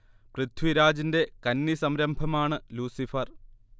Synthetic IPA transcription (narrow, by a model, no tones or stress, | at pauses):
prɨt̪ʰʋiɾaːd͡ʑinde̞kɐnːisɐmɾɐmbʱɐmaːɳɨluːsifɐr